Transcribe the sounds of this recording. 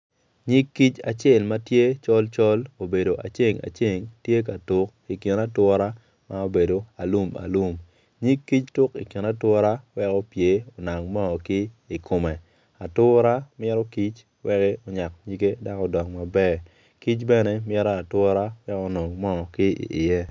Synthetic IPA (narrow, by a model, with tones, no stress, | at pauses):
ɲi˦kːi˦t͡ʃa˨t͡ʃe˨lma˦tje˦t͡ʃɔ˦lt͡ʃɔ˦lo˨be˨do˨ʔa̰˨t͡ʃe˦ŋa̰˨t͡ʃe˦˨ŋtje˦k̬a˨tʊ˦k | i˨kɪ˨na˦twɔ˦ɾa˦ | ma˦o˦be˨do˨a˨lu˦ma̰˨lu˦m | ɲi˦kːi˦t͡ʃtʊ˦ki˨kɪ˨na˦twɔ˦ɾa˦wɛ˦kɔ˦pje˨o˨na˨ŋmɔ˦ŋɔ˨kɪ˦ | i˨kʰo˨me˨ | a˨tʊ˦ɾa˦mɛ˦ɾɔ˦ki˦t͡ʃ | wɛ˦ke˦o˨ɲa˨k̚ɲi˦ɡe˦da˦kɔ˦dɔ˨kma˨bɛ˦˨ | ki˦t͡ʃbɛ˦nɛ˦mjɛ˦ɾa˦a˨twɔ˦ɾa˦wɛ˦kɔ˦no˨ŋmɔ˦ɔ˨kɪ˦ḭ˨ʔɪ˨jɛ˦